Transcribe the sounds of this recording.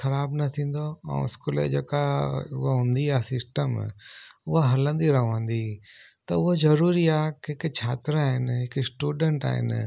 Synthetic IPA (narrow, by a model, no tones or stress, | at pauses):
xɐɾaːbnɐt̪ʰĩːn̆d̪oã̰ʊ̰skolḛd͡ʒeːkaʊ̰ɦaɦũːnd̪iaːsɪsʈəm | ʊɦaɦɐlə̃nd̪iɾɐʋãːnd̪i | t̪ɐʊozɐɾuːɾiaːkeɪkt͡ʃʰaːt̪ɾaːɦɪnɦɪksʈuːɖəɳʈa̰ːɦɪ̰n